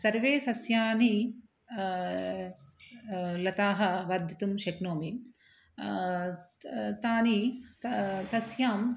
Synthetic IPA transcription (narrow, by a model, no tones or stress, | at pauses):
sɐɾʋeːsɐsjaːni | lɐt̪aːɦɐ̆ʋɐɾd̪ʱit̪umʃɐknoːmi | t̪aːni | t̪ɐsjaːm